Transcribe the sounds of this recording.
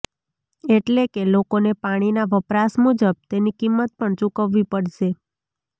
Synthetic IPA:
eʈlekelokonepaɽ̃inaʋəpɾasmud͡ʒəb̚t̪enikimːət̪̚pəɳt͡ʃukəʋːipəɽʃe

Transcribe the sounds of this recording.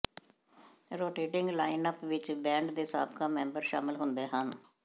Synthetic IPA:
ɾoːʈeːʈɪŋɡlaːɪnəpʋɪt͡ʃbɛ̃ːɳɖd̪eːsa̰ːb̚kaːmɛ̃ːmbəɾʃa̰ːmɪlɦʊnd̪eːɦən

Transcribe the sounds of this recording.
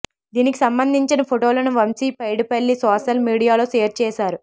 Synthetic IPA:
d̪iːniki̥sɐmbɐnd̪ʱiɲt͡ʃinɐpʰoʈoːlɐnuʋɐmsiːpɐjɽupɐɭːisɔːʃɐlmiːɽijaːlo̞ːʃeːɾt͡ʃɛːsaːɾu

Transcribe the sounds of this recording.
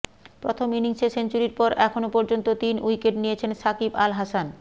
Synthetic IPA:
pɾot̪ʰominiŋsesent͡ɕuɾiɾpɔɾʔɛkʰonopoɾd͡ʑont̪ot̪inʔujkeʈnijet͡ɕʰenʃakibalɦasan

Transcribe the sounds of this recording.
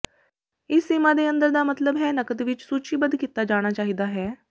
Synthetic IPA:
ɪsːɪmaːd̪eːə̃nd̪əɾd̪aːmət̪ləbɦɛːnəkət̪ʋɪt͡ʃsuːt͡ʃiːbənd̪kiːt̪ːaːd͡ʒaːɽ̃aːt͡ʃaːɦiːd̪aːɦɛː

